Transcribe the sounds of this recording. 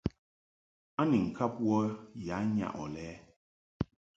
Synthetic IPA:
a˦ni˨ŋ̩˨kʰa˦p̚wɔ˦ja˨˦ɲa̰˨ʔɔ˨lɛ˦

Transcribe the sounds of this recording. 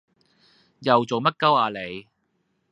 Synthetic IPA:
jɐ˨wt͡so˨wmɐ˥t̚kɐ˥waː˨˧le˨˧j

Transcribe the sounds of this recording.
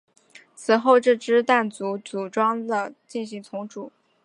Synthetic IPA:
t͡sʰɹ̩˨˩xo˥˧ʊʈ͡ʂɻ̩˥˩ʈ͡ʂɻ̩˥t̪a˥˩nt͡su˧˥t͡su˨˩ʈ͡ʂwɑ˥ŋd̪ə˨t͡ɕi˥˩nɕ̬i˧˥ŋt͡sʰʊ˧˥ŋʈ͡ʂu˨˩˦

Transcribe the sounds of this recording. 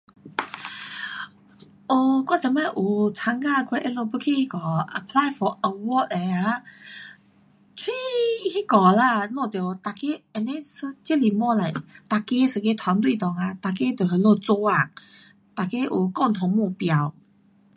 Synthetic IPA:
o˧kwa˥t͡sa˨˩˦ma˧˩ʔu˨˩t͡sʰa˧˥ŋka˥˧kʰwe˧˥ʔɛ˧˥nlo˧pu˧˥kʰi˥˧hi˦˧kɔ˨ə˧˨pʰla˧˥jfɔ˨ʔə˧wɔ˥˦te˨˩a˧ | t͡sʰwi˦˧hi˦kɔ˨˩la˧˨nɔ̃˥˧˨t̪jɔ˨˩t̪a˨˩ke˦ɛ˨˩ne˦sɨ˧t͡ɕɛ˦˥li˨mɔ˧˦la˨˩t̪a˨ke˦sɨ˨˧˩ke˦t̪ʰwa˧˦nt̪wi˥˧˨t̪ɔ˨ŋa˧t̪a˨˩ke˦t̪o˨˩ɦə˨˦lo˥˧t͡so˧a˥˩ | t̪a˨˩ke˦ʔu˨˩kɔ˥˧˨ŋt̪ʰɔ˨˩ŋmũ˥˧˨pja˧w

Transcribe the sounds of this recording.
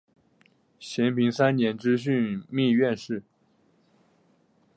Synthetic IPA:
ɕjɛ˧˥npi˧˥ŋsa˥nnjɛ˧˥nʈ͡ʂɻ̩˥ɕ̬y˥˧nmi˥˧ɥɛ˥˧nʂɻ̩˥˩

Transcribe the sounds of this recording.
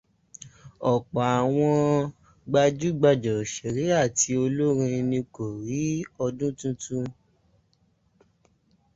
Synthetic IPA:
ɔ˨k͡pɔ˨a˨w̃ɔ̃˧ | ɡ͡ba˧d͡ʒu˦ɡ͡ba˧d͡ʒɔ˨ʃe˨ɾi˨˦a˦˨ti˧o˧lo˦ɾĩ˧nĩ˧ko˨ɾi˨˦ɔ˧dũ˦tũ˦tũ˦

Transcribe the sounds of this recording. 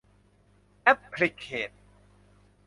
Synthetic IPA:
ʔɛ˦˥pʰli˧kʰeː˨˩t̪̚

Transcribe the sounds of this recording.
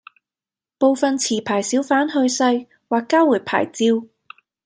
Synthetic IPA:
po˨˧wfɐ˨nt͡sʰiː˨˩pʰaː˨˩jsiː˨˥wfaː˨˥nɦɵ˧ɥsɐ˧j | waː˨˩kːaː˥wuː˨˩jpʰa̰ː˨˩jt͡siː˧w

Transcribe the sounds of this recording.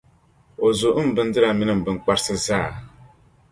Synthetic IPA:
o˨zo˨ʔ̩˦m˨bɨ˦ndɨ˦ɾa˨mi˦nɨ˦˨m̩˨bɨ˨˦ŋ˦k͡pa˦ɾsɨ˦zaː˦˨

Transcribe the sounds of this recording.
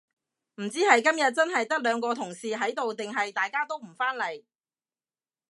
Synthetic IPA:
m̩˨˩t͡siː˥hɐ˨jkɐ˥mjɐ˨t̚t͡sɐ˥nɦɐ˨jt̪ɐ˥k̚lœː˨˧ŋkɔː˧t̪ʰʊ˨˩ŋsiː˨ɦɐ˨˥jt̪o˨wt̪ɪ˨ŋɦɐ˨jt̪aː˨jkaː˥t̪o˥wm̩˨˩faː˥nlɐ˨˩j

